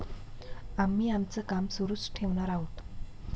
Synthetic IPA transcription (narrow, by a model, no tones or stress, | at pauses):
amːiːamt͡səkamsuɾusʈʰeʋɳaɾaɦot̪